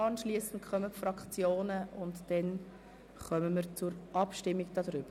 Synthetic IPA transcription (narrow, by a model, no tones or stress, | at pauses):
ɑnʃliəsən̩tkʰχœməpfɾɑkt͡sjoːnəʊntd̥ɛn | χœməməɾt͡sʊɾʔɑpʃtɪmːiɡd̥ɑdɾʏb̥ə